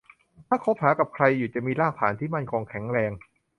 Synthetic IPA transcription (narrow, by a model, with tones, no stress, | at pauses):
t̪ʰaː˥˩kʰo˦˥p̚haː˩˦ka˨˩p̚kʰɾa˧jːuː˨˩t͡ɕa˨˩miː˧laː˥˩k̚t̪ʰaː˩˦nt̪ʰiː˥˩ma˥˩nkʰɔː˧ŋkʰɛ˩˦ŋɾɛː˧ŋ